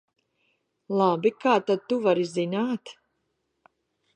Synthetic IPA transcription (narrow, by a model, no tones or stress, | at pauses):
lˠabikaːt̪ad̪̚t̪uvaɾizinaːt̪